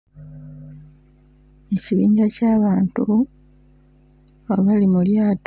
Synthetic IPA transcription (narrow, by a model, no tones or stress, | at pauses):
e̞ciβiːɲɟacaːβaːntu | aβalimuljaːt